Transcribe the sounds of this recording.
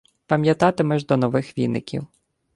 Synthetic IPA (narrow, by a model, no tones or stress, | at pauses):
pɐmʲjɐt̪ɑt̪ɪmɛʒd̪ɔnɔʋɪxʋʲḭnɪ̰kʲḭw